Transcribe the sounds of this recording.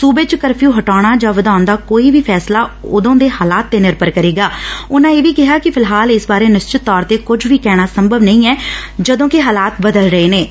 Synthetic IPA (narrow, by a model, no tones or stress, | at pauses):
suːbeːt͡ʃkəɾpʰjũːɦəʈaːɽ̃aːd͡ʒaːʋəd̪aːnd̪aːkoːiːbiːpʰɛːslaːʊd̪õːd̪eːhaːlaːt̪ːeːnɪɾpəɾkəɾeːɡaːʊnãːeːʋiːkɪɦaːkɪpʰɪlɦaːlɪsbaːɾeːnɪst͡ʃɪt̪ːɔːɾt̪eːkʊd͡ʒʱʋiːkɛːɽ̃aːsəmbəʋnəĩːɛːd͡ʒəd̪õːkiɦaːlaːt̪bəd̪əlɾəeːneː